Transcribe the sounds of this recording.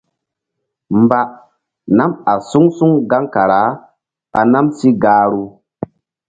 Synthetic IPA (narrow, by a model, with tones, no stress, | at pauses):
mba˦ | na˦ma˨su˦ŋsu˦ŋɡa˦ŋka˨ɾa˨˦ | a̰˨na˦msi˦ɡaː˦ɾu˦